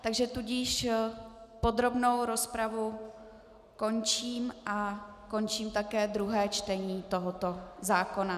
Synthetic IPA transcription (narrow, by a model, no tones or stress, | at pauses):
t̪aɡʒɛt̪uɟiʃ | po̞d̪ɾo̞bno̞wɾo̞spɾavu | ko̞nt͡ʃiːmʔako̞nt͡ʃiːmt̪akɛːd̪ɾuɦɛːt͡ʃt̪ɛɲiːt̪o̞ɦo̞t̪o̞zaːko̞na